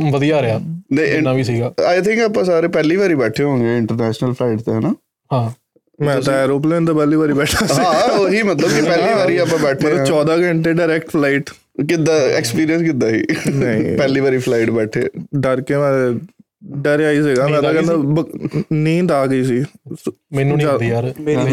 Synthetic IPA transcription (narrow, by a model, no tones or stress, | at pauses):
ʋəd̪ijaːɾaːnəɪʋisiːɡaːaːɪt̪ʰɪ̃ŋkapãːsaːɾeːpɛːliːʋaːɾiːbɛːʈʰeːɦõːŋɡeːɪ̃ɳʈəɾnɛːʃnəlpʰlaɪʈt̪eːɦɛːnaː | hãː | mɛ̃ːt̪ãːɛːɾoːp̬lẽːnt̪aːpɛːliːʋaːɾiːbɛːʈʰaːsĩːɡoɦiːmət̪ləbkɪpɛːliːʋaːɾiːapãːbɛːʈʰeɾt͡ʃɔːd̪aːɡəɳʈ̪eːɖɪːɾɛːkʈpʰlaɪʈ | kɪd̪aːɛ̰ːkspiːɾijə̃nskɪd̪ːaːɦḭːnəḭ̃ːpɛːliːʋaːɾiːpʰlaɪʈbɛːʈʰḛːɖəɾkeːmɛ̃ː | ɖəɾaːiːsɪɡaːmɛ̃ːt̪ãːkɛ̃nd̪aːbənĩːt̪aːɡəiːs̬iː | mɛnũːd͡ʒa